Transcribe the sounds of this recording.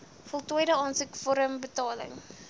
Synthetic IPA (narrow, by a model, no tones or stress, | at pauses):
fɔlˠtujdəɑːnsəkfɔɾəmbətɑːlə̰ŋ